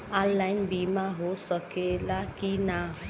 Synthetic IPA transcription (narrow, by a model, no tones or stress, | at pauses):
alajnbimaɦosɔkelakina